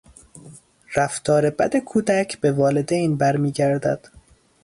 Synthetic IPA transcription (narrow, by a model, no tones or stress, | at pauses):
ɾæft̪ʰɒːɾe̞bæ̰d̪e̞kʰuːd̪æcʰbe̞vɒːle̞d̪ejnbæɾmiːɟæɾd̪æd̪̥